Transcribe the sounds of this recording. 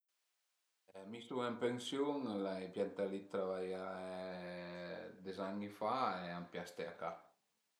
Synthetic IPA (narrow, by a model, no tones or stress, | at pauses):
ɛmist̪uɛmpeŋsjuŋlaepjant̪alit̪ːɾavaja | d̪ezaŋifaeampjast̪eaka